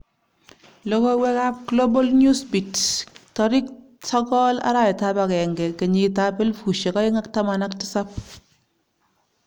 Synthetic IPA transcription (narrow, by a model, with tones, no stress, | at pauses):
lɔ˦ko˦wɛ˦ka˦p̚ɡlo˦bo˦lnu˦sbi˨ttɔ˨ɾi˦k̚ | sɔ˦kɔ˦la̰˦ɾa˦ɛ˨ta˦pa˨kɛ˨ŋɡɛ˨ke˨ɲi˨ta˦pɛ˦lfu˨ʃe˨kɔ˦ɪ˦ŋa˦kta˦ma˨na˦ktɪ̥˦sa˦p̚